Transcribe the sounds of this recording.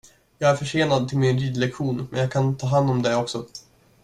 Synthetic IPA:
jɑːɡæɾfœʂeːnad̪̚t̪ʰɪlmɪnɾiːd̪lɛkɧuːnmɛnjɑːɡkʰant̪ʰɑːɦand̪ɔmd̪ɛɔksɔ

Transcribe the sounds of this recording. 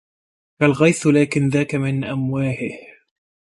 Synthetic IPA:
kalɣɑjθlaːkɪnðaːkamɪnʔamwaːħɪh

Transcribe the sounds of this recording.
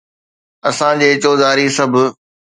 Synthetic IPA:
ɐsãd͡ʑeːt͡ɕoːzaːɾisɐbʱʊ̆

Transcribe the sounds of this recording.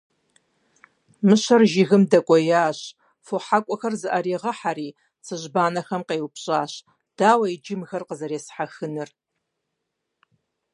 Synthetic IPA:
mɨɕɐrʒɪɣɨmdɐkʷʼɔjaːɕ | foħakʷʼɔxɐrzɨʔɐɾiːʁɐħaɾiː | t͡sʰɨʑbaːnɐxɐmqeːwʊpɕʼaːɕ | d̥aːwɐid͡ʒɪmxɐrqəzɐɾeːsħaxɨnɨr

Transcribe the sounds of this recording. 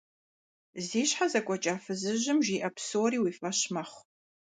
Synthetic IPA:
ziːɕħazɐkʷʼɔt͡ʃʼaːfɨzɨʑɪmʒiːʔɐpsoːɾiːwiːfɐɕmɐχʷ

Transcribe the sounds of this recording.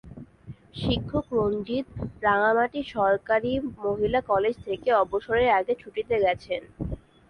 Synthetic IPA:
ʃikʰːokɾond͡ʑit̪pɾaŋamaʈiʃɔɾkaɾimoɦilakɔled͡ʑt̪ʰekeɔboʃoɾeɾaɡet͡ɕʰuʈit̪eɡɛt͡ɕʰen

